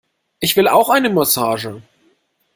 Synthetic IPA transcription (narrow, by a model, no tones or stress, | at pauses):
ʔɪçv̥ɪla̰ʊxʔaɪnəmɔsaːʒə